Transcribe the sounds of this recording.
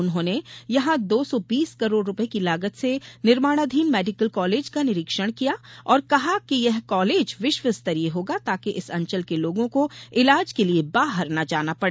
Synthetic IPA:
ʊnɦõːnejɐɦãd̪oːsɔbiːskɐɾoːɽɾʊpəekilaːɡət̪senɪɾmaːɽ̃ad̪ʱiːnmɛːɖɪkəlkɔːleːd͡ʒkanɪɾɪkʃəɽ̃kijaɔːɾkɐɦakijɛɦkɔːleːd͡ʒʋɪʃʋəst̪ɐɾieɦoːɡat̪aːkeʔɪsɐ̃ɲt͡ʃəlkeloːɡõkoɪlaːd͡ʒkeliebaːɦəɾnɐd͡ʒaːnapɐɽe

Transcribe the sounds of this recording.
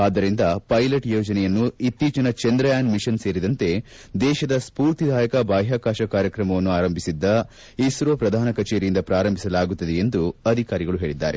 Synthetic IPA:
aːd̪ːɐɾind̪ɐpɐjlɐʈjoːd͡ʒɐnɛjɐnːuit̪ːiːt͡ʃɐnɐt͡ʃɛnd̪ɾɐjaːnmiʃɐnse̞ːɾid̪ɐnt̪e̞ | d̪ɛːʃɐd̪ɐspuːɾt̪id̪ʱaːjɐkɐbaːɦjaːkaːʃɐkaːɾjɐkɾɐmɐʋɐnːuaːɾɐmbʱisid̪ːɐ | isɾopɾɐd̪ʱaːnɐkɐt͡ʃeːɾijind̪ɐpɾaːɾɐmbʱisɐlaːɡut̪ːɐd̪eend̪uɐd̪ʱikaːɾiɡɐɭuɦe̞ːɭid̪ːa̰ːɾe̞

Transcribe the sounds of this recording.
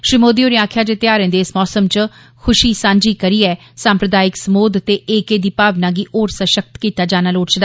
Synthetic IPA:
ʃɾiːmoːd̪ioːɾiːaːkʰjaːd͡ʒeːt̪ɪaːɾẽːnd̪eːɪsmɔːsəmt͡ʃ | kʰʊʃiːsãːɲd͡ʒiːkəɾiːɛː | sãːmpɾəd̪aːɪksəmoːd̪t̪eːʔeːkeːd̪iːpaːʋnaːɡiːʔoːɾsaʃək̚t̪kiːt̪aːd͡ʒaːnaːloːʈt͡ʃd̪a

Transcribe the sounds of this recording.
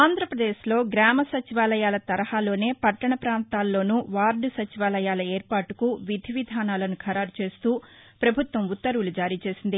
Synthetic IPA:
aːnd̪ʱɾɐpɾɐd̪eːʃlo̞ːɡɾaːmɐsɐt͡ʃiʋaːlɐjaːlɐt̪ɐɾɐhaːlo̞ːne̞ːpɐʈːɐɳɐpɾaːnt̪aːlːo̞ːnuʋaːɾɖusɐt͡ʃiʋaːlɐjaːlɐeːɾpaːʈukuʋid̪ʱiʋid̪ʱaːnaːlɐnukʰɐɾaːɾt͡ʃe̞ːst̪uːpɾɐbʱut̪ʋɐmut̪ːɐɾulud͡ʒaːɾiːt͡ʃe̞ːsind̪i

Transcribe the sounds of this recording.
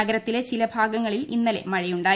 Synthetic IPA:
ɐɡɐɾɐt̪ːile̞t͡ɕilɐbʱaːɡɐŋːɐɭilinːɐle̞̰mɐɻɐjuɳɖaː

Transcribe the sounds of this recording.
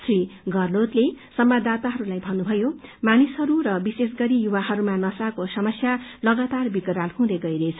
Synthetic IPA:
sriɡʌrlot̪lesʌmbad̪at̪aɦʌɾulajbʱʌnːubʱʌjomanisɦʌɾurʌbisesɡʌɾijuwaɦʌɾumanʌsakosʌmʌsjalʌɡat̪arbikɾalɦũd̪eɡʌiɾet͡sʰʌ

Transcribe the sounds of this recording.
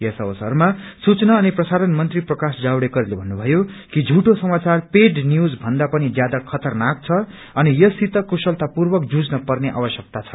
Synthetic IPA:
jʌsʌbʌsʌrmasut͡snʌːniprʌsaɾʌnmʌnt̪riprʌkasd͡zawɽekʌɾilebʱʌnːubʱʌjokid͡zʱuʈosʌmat͡sarpeɖnjud͡zbʱʌnd̪apʌnid͡zjad̪akʰʌt̪ʌrnak̚t͡sʰʌ | ʌnijʌsit̪ʌkusʌlt̪apurbʌk̚d͡zud͡znʌpʌrneʔa̰bʌsjʌk̚t̪at͡sʰʌ̥

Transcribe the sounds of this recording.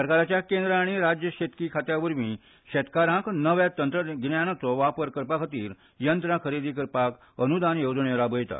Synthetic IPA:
səɾkaɾat͡ɕjakend̪ɾaːɽ̃iɾad͡ʑjəɕet̪kikʰat̪jaʋəɾmiː | ɕet̪kaɾãknəʋjat̪ənt̪ɾəɡnjañat͡sɔʋapəɾkəɾpakʰət̪iːɾ | jənt̪ɾãkʰəɾed̪iːkəɾpak | ənud̪anjod͡zɳeɾabəjt̪a̰

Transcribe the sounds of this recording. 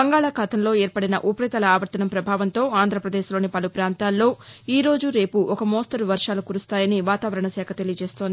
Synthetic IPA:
bɐŋɡaːɭaːkʰat̪ɐmlo̞ːɛːɾpɐɽinɐ̰ʔupɐɾit̪ɐlɐaːʋɐɾt̪ɐnɐmpɾɐbʱaːʋɐnt̪o̞ːaːnd̪ʱɾɐpɾɐd̪eːʃlo̞ːnipɐlupɾaːnt̪aːlːo̞ːiːɾo̞ːd͡ʒuɾe̞ːpuʔɔkɐmoːst̪ɐɾʋɐɾʂaːlukuɾust̪aːjɐniʋaːt̪aːʋɐɾɐɳɐsɛːkʰɐt̪e̞lijɐt͡ʃeːst̪oːnd̪i

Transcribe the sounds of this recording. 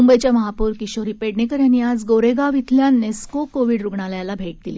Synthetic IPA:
mumbəjt͡ɕjaməɦapuːɾkiɕoɾiːpeɽnekəɾjaniad͡zɡoɾeɡaʋit̪ʰljanːeskokoʋiɽɾuɡɳaljãlabʱeʈ̚d̪ili

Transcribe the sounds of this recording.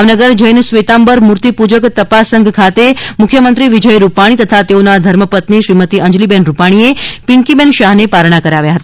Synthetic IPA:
ʋnəɡəɾd͡ʒəjnsʋet̪ambəɾmuɾt̪ipud͡ʒəkt̪əpasːəŋɡʱkʰat̪emʊkʰjəmənt̪ɾiʋid͡ʒəjɾupaɽ̃it̪ət̪ʰat̪eonad̪ʱəɾməpət̪niʃɾimət̪iʔə̃ɲd͡ʒlibɛnɾupaɽ̃iepiŋkibɛnʃaɦnepaɾɳ̃akəɾaʋjaɦət̪a

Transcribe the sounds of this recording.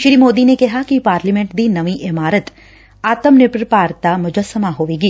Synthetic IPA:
ʃɾiːmoːd̪inekɐɦakipaːɾlimẽɳʈd̪inɐʋiʔɪmaːɾət̪ | aːt̪əmnɪpɾpaːɾt̪amʊd͡ʒəsəmaɦoːʋeːɡiː

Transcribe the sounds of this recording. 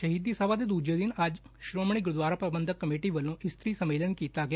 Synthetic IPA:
ʃəɦiːd̪iːsəːʋaːd̪eːd̪uːd͡ʒeːd̪ɪnəd͡ʒʃɾoːmɳ̃iːɡʊɾd̪waːɾaːpəbənd̪əkːəmeːʈiːʋəlːõːʔɪst̪ɾiːsəmeːlənkiːt̪aːɡɪ

